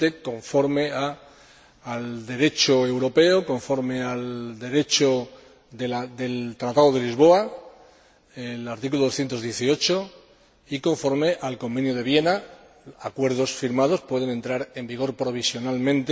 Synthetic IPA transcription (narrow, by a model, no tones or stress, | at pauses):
t̪eko̞ɱfo̞ɾme̞aː | ld̪e̞ɾe̞t͡ʃoe̞wɾo̞pe̞oko̞ɱfo̞ɾme̞ald̪e̞ɾe̞t͡ʃo | ðelad̪e̞lt̪ɾat̪að̞o̞ð̞e̞lizβ̞o̞a | elaɾt̪ik̬ulooθje̞nt̪o̞zðje̞θio̞t͡ʃo | iko̞ɱfo̞ɾme̞ʔalko̞mbe̞njoð̞e̞β̞je̞na | akwe̞ɾð̞o̞sfiɾmað̞o̞spwe̞ð̞e̞ne̞nt̪ɾaɾe̞mbiɣ̞o̞ɾpɾo̞β̞isjo̞nalmẽ̞nt̪